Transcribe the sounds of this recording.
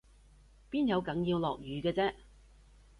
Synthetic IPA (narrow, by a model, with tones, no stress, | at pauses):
piː˥njɐ˨˧wkɐ˨˥ŋjiː˧wlɔː˨k̚jyː˨˧kɛː˧t͡sɛː˥